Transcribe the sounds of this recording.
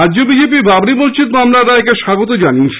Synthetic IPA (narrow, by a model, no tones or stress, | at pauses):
aːd͡ʑobid͡ʑep̬iɾbabnibont͡ɕʰit̪mamlaɾaɛkeʃaɡot̪od͡ʑaninʃ